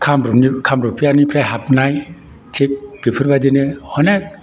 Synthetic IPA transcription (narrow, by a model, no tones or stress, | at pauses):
kʰamɾunikʰamɾupʰijanipʰɾaɦap̚naj | tʰik̚b̥ipʰɯɾbadinɯhɔna